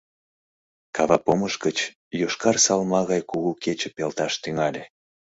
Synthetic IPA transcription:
kʰɑβɑpoməʃɡət͡ɕ | joʃkɑrsɑlmɑɣɑjkuɣuket͡ɕəpelt̪ɑʃt̪yŋɑlʲe

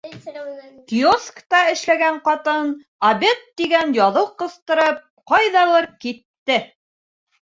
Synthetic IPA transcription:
kioskt̪ɑɘ̆ʃlæɡæɴqɑt̪ɤn | ɐbet̪ːiɡænjɑðɤwqɤ̆st̪ɤ̆ɾɤp̚qɑjðɑlˠɤɾkit̪ːɘ

